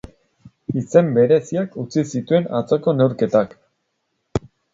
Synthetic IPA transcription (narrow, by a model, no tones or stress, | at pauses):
ise̞mbe̞ɾe̞siakut͡sisit̪ue̞nat͡so̞ko̞ne̞wɾke̞t̪ak